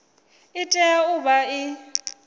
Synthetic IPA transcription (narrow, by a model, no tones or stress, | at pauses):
ɪtʼɛaʊbaɪ